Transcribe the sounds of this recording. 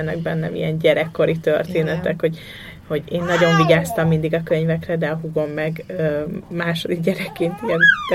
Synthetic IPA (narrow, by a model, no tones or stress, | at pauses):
ɛnːɛɡ̚bɛnːɛ̰mḭjɛnɟɛɾɛkːo̞ɾit̪ørt̪eːnɛt̪ɛkho̞ɟ | ho̞ɟeːnːɒɟo̞ɱviɡaːst̪ɒmːind̪iɡɒkø̞ɲvɛkrɛd̪ɛɒɦuɡo̞mːɛɡømaːʃod̪iɡɟɛɾɛkːeːnt̪irzt̪ː